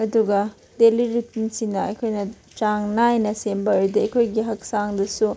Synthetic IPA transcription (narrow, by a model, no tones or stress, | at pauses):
ɐduɡɐ | deliɾit̚msinɐɐjkʰojnɐ | t͡ʃaŋnajnɐsembɐɾidiɐjkʰojɡiɦɐk̚saŋdɐsu